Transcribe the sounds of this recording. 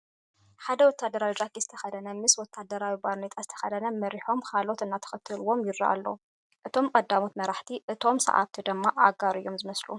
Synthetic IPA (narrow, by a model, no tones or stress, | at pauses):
ħad̪ɐwɔt̪ʰːad̪ɐɾawid͡ʒakizɨ̥t̪ʰɐ̥xɐd̪ɐnɐmɨswɔt̪ʰːad̪ɐɾawibaɾnet̪ʼazɨt̪ʰɐ̥xɐd̪ɐnɐmɐɾiħo̞mkʰalo̞t̪ɨnːat̪ʰɐ̥xɨt̪ʰːɨluwo̞mjɪɾːa̰ʔa̰lːɐ̰ | ʔɨt̪ʰo̞mkʼɐd̪ːamo̞t̪mɐɾaħt̪ʰiʔɨt̪ʰo̞msɐ̰ʔa̰βt̪ʰid̪ɨmːaʔaɡaɾɨ̰jːo̞mzɨmɐslṵ